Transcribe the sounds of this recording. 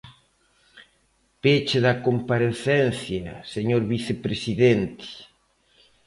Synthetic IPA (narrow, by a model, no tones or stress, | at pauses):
pet͡ʃeðɐkompaɾeθɛnθjɐseɲoɾβiθepɾesiðent̪ɪ̥